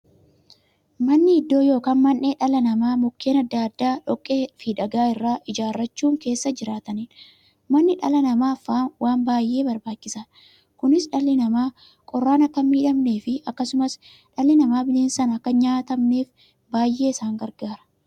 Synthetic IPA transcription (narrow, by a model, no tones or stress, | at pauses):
mɐnːɪɪd̪ːo̞ːjo̞ːkaːnmɐnʔe̞ːᶑɐlɐnɐmaːmɔkːe̞ːnɐd̪ːaːɐd̪ːaːᶑɔkʼːe̞ːfiːᶑɐɡaːɪrːaːʔɪd͡ʒaːrːɐt͡ʃːuːŋke̞ːsːɐd͡ʒɪɾaːt̪ɐniːn | mɐnːɪᶑɐlɐnɐmaːfaːnwaːmbaːjʔːe̞ːbɐɾbaːt͡ʃːɪsɐ | kʊnɪsᶑɐlːɪnɐmaː | kʼɔrːaːnɐkːɐmiːᶑɐmne̞ːfɪɐkːɐsʊmɐs | ᶑɐlːɪnɐmaːbɪleːnsɐnɐkːɐɲaːt̪ɐmne̞ːf | baːjʔːe̞ːɪsaːŋɡɐɾɡaːɾɐ̥